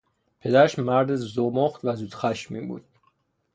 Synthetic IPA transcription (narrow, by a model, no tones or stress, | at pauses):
pʰe̞d̪æɾæʃmæɾd̪ezomoχt̪væzuːd̪̥xæʃmiːbṵːd̪̥̚